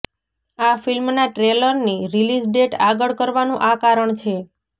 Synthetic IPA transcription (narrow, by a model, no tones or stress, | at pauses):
afilmnaʈɾeləɾniɾilisɖeʈaɡəɭkəɾʋanũʔakaɾəɳt͡ʃʰe